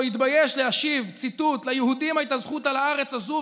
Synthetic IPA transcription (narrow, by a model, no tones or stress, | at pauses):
it̪bajeʃleaʃivt͡sit̪ut̪lajehud̪imait̪azχut̪alaaʁet͡sazu